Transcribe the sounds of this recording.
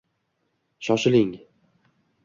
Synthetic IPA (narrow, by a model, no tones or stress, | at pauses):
ʃɒʃɪlɪŋ